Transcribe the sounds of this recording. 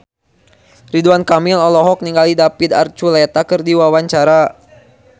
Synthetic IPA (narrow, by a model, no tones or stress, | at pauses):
riduankamilɔlɔɦɔk̚niŋɡalidapid̪a̰rt͡ʃulɛt̪akərdiwawaɲt͡ʃaɾa